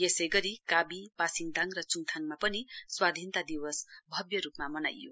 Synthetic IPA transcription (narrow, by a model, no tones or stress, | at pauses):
jesʌjɡʌɾikabipasiŋd̪ʱaŋrʌt͡suŋt̪ʰaŋmapʌniswad̪ʱint̪ad̪iwʌsbʱʌbjʌɾupmamʌna̰jːo̰